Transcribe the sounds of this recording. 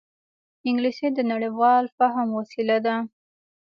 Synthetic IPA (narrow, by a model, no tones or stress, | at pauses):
ɪŋɡlised̪ənaɽiwɑlfaɦmwasilad̪a